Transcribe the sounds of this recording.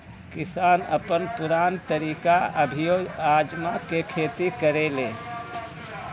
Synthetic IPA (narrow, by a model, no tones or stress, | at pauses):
kɪsaːnəpənpʊɾaːnt̪əɾiːkaəbʱijoɡaːd͡ʒmakekʰeːt̪ikəɾeleː